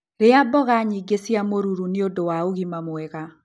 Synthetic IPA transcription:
ɾeabɔɣaɲiɡesjamoɾuɾuneodowaoɣimamwɛɣa

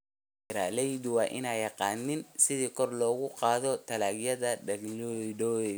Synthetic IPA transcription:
ɾaːlɛjd̪ʊwɑːʔɪnaːjɑqɑːnɪnsɪðiːkʰɔrlɔːɣʊqɑːðɔt̪ʰɐlaːɡjɐðɐdɐɡldɔɛ

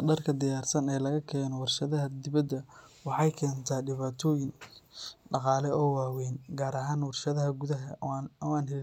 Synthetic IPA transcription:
ɖɐrkʰɐd̪ɪjaːrsɐnɛːlɐɣɐkʰɛːnɔwɑrʃɐðɐɦɐd̪ɪβɐd̪ɐ | wɑħɑjkʰɛːnt̪ʰaːɖɪβaːt̪ʰɔːjɪŋ | ɖɑqɑːlɛɔːwɑːwɛjnɡaːɾɐɦaːnwɑrʃɐðɐɦɐɡuðɐɦɐɔaːnɦɛlɪ

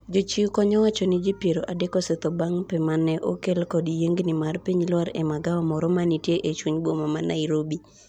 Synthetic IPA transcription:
d͡ʒot͡ʃikɔɲɔwat͡ʃɔnɪd͡ʒipjeɾoʔadekɔsɛt̪ɔbaŋpɛmanɛʔokelkɔdijeŋɡnɪmarpiɲlwaɾɛmaɡaɔmɔɾɔmanitjeʔet͡ʃwuɲbwomamana̰ɪɾobi

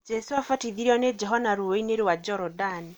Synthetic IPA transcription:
d͡ʒɛsuafatiðiɾiɔned͡ʒɛɦɔnaɾuweineɾewad͡ʒɔɾɔdani

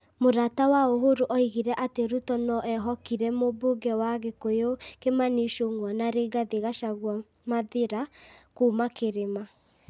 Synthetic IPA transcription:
moɾatawaoɦoɾoʔɔiɣiɾɛʔateɾutɔnɔʔɛɦɔkiɾɛmoboɡɛwaɣekojokemaniʃoŋwanaɾeɡaðeɣaʃaɣwa | maðeɾakumakeɾema

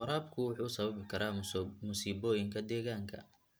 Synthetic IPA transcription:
qɔɾaːbkʰʊwʊħuːsɐβɐβɪkʰɐɾaːmʊsiːbɔːjɪŋkʰɐd̪ɛːɣaːŋkʰɐ̰

